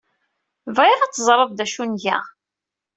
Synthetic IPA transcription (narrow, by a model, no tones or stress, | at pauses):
vʁeðɑt͡sːəzˤɾˤəðˤd̪æʃunʝæ̰